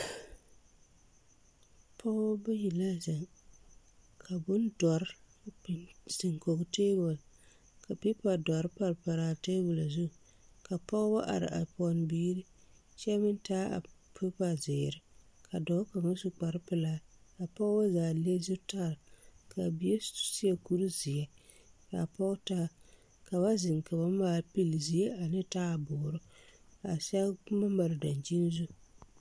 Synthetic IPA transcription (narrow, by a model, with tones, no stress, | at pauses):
pʰɔ˦ba˦ji˨la˦za˨ŋ | kʰa˨bʊ˦n˦dɔ˨ɾ | sɪ˨ŋko˨bteː˦ɡʊ˨l | ka˨pi˦pa˨dɔ˨ɾɨ˦pa˨ɾpa˨ɾaː˨teː˦bʊ˨la˨zu˦˨ | ka˨pɔ˦ba˦ʔa̰˨ɾɪ̰˨ʔa̰˨pɔ˨n˨biː˦ɾi˦ | ʃɛ˦mɪ˦n˦taː˦a̰˨pʰɪ˦pa˨zɪː˨ɾɪ˦ | kʰa˨dɔː˨˦ka˨ma˦su˦k͡pa˨ɾɪ˦pɪ˦laː˦ka˨pɔ˦ɣba˦zaː˨le˦zʊ˦ta˦ɾka˨bi˨e˦si˦ɛ˨ku˦ɾi˦zɪ˨ɛ˨ | ka˨pɔ˦ɣtaː˦˨ | ka˨βa˦zɪ˨ŋka˨ba˨˦maː˨lpi˦lzi˨e˦a˨nɪ˦taː˦a˨bʊː˨ɾʊ˦˨a˨sa˦ma˦ma˨ɾɪ˨da˨nt͡ʃi˦n˦zu˦